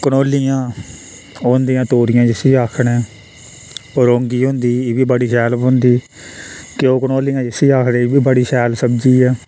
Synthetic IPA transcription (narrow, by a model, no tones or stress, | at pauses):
kənoːlːijãː | oːnd̪ijãːt̪oːɾɪjãːd͡ʒɪsiːaːkʰɳɛː | ɾoːŋɡiːɦʊ̃nd̪iːeʋiːbəɽiːʃɛːləpɦʊnd̪iː | kɪoːkənoːlijãːd͡ʒɪsiːaːkʰɽebiːbəɽiːʃɛːlsəbd͡ʒiːɛː